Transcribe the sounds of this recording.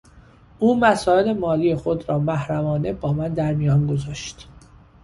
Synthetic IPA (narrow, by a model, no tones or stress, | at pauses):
ʔuːmæsɒːele̞mɒːliːjexo̞d̪ɾɒːmæhɾæmɒːne̞bɒːmænd̪æɾmijɒːnɡo̞zɒːʃt̪